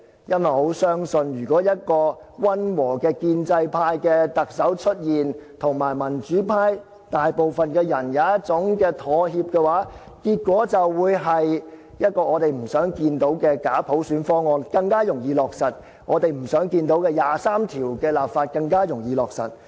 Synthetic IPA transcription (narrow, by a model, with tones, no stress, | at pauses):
jɐ˥t̚wɐ˨˩jho˨˥wsœː˥ŋsɵ˧njyː˨˩kʷɔː˨˥jɐ˥t̚kɔː˧wɐ˥nwɔː˨˩kɛː˧kiː˧nt͡sɐ˧jpʰaː˧jkɛː˧t̪ɐ˨k̚sɐ˨˥wt͡ʃʰɵ˥t̚jiː˨nt̪ʰʊ˨˩ŋmaː˨˩jmɐ˨˩nt͡ʃyː˨˥pʰaː˧j | t̪aː˨jpo˨wfɐ˨nkɛː˧jɐ˨˩njaː˨˧jɐ˥t̚t͡sʊ˨˥ŋkɛː˧t̪ʰɔː˨ɦiː˧p̚kɛː˧waː˨˥ | kiː˧t̚kʷɔː˨˥t͡sɐ˨wːuː˨˧jɦɐ˨j | jɐ˥t̚kɔː˧ɔː˨˧t̪e˨jm̩˨˩sœː˨˥ŋkiː˧nt̪o˨˥wkɛː˧kaː˨˥pʰo˨˥wsyː˨˥nfɔː˥ŋːɔː˧nkɐ˧ŋkaː˥jʊ˨˩ŋjiː˨˧lɔː˨k̚sɐ˨t̚ | ŋɔː˨˧t̪e˨jm̩˨˩sœː˨˥ŋkiː˧nt̪o˨˥wkɛː˧jaː˨˩saː˥mt̪ʰiː˨˩wkɛː˧laː˨p̚faː˧t̚kɐ˧ŋkaː˥jʊ˨˩ŋjiː˨˧lɔː˨k̚sɐ̰˨˩t̚